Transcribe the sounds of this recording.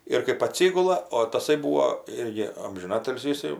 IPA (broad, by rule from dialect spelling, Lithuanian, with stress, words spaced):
ɪr kɜp ɐˈtʲsʲɪɡʊlˠɐ oː tɐˈsɐɪ ˈbuːoː ˈɪrʲɡʲɪ ɐmʲʒʲɪˈnɑːtʲɪlʲsʲiː ɪˈsɐɪ